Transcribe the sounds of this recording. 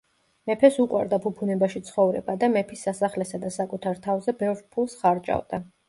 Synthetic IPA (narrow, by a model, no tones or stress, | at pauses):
mɛpʰɛsuqʼwa̰ɾd̪apʰupʰunɛbaʃit̪sʰχɔvɾɛ̰bad̪amɛpʰisːasaχlɛsad̪asakʼut̪ʰaɾt̪ʰavzɛbɛvɾpʰulˠsχaɾt͡ʃʼa̰vd̪̥a